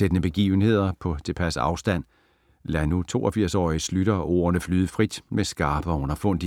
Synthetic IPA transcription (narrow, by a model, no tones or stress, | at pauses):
sed̥ənəb̥e̝ɡ̥ḭːʊn̩he̝ð̞̰ˠɐpʰɒ̽t͡sʰe̝lpʰæsəɑ̈ʊsd̥æn̰ | lænut͡sʰo̝̰ːɐfiɐ̰sɒ̰ːɪislyɾ̥ɐʔo̝̰ːɐnəflyːðˠfʁid̥mesɡ̥ɑ̈ːb̥əɒɔ̽nɐfɔ̽n̰d̥